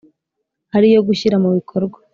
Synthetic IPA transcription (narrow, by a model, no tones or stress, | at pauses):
haɾijo̞ɡuçiɾamuβikʰo̞ɾɡwḁ